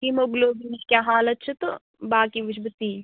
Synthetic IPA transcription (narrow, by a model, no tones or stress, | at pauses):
imoɡloːbinikjaːɦaːlɐt̪ːt͡ʃʰɐt̪o | baːkiʋɪd͡ʒbət̪iː